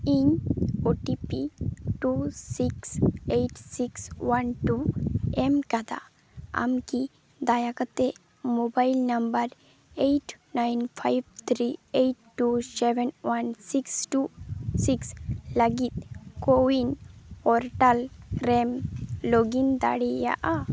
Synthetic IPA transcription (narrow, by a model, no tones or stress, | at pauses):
iɲoʈipiʈusikseʈsikswanʈuemkad̪a̰ | a̰mki | d̪ajakət̪e | mobailnəmbəɾ | eʈnajnfʰajbt̪ʰɾieʈːusɛʋɛnwansiksʈusikslaɡit̪̚kowinpɔɾʈalɾɛmloɡind̪a̰ɽija̰ʔa